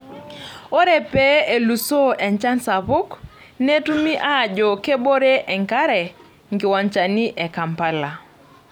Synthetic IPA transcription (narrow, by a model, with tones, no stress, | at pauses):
o˦ɾe˨pe˦e˨lu˨so˦ʔɛ˨ɲt͡ʃa˦nsa˨βʊ˦k | ne˦tu˦mi˦ʔa˦˨d͡ʒɔ˨ke˦bo˦ɾe˦ʔɛ˨ŋka˦ɾɛ˨ | ŋɡɪ˨wa˨ɲt͡ʃa˨ni˦ʔɛ˨ka˨mpa˦la˨